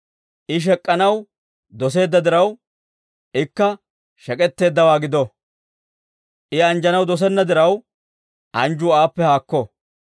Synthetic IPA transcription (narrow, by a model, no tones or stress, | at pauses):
ʔɪʃ̬ɛkʼːɐnɐw | d̪ɔs̬e̞ːd̪ːɐd̪ɪɾɐw | ʔɪkːɐ | ʃɛkʼɛt̪ːe̞ːd̪ːɐwaːɡɪd̪ɔ | ʔɪɐnd͡ʒɐnɐwd̪ɔs̬ɛnːɐd̪ɪɾɐw | ʔɐnd͡ʒuːaːpːɛhaːkːɔ